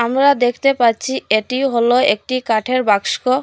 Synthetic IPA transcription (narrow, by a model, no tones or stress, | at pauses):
amɾad̪ekʰt̪epaɾt͡ɕʰieʈiwɦoloek̚ʈikaʈʰeɾbakʃko